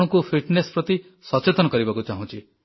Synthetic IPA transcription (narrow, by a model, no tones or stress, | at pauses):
ɽ̃ɔ̃kupʰiʈnespɾɔt̪i | sɔt͡ʃet̪ɔnɔkɔɾibakut͡ʃaɦũt͡ʃʰi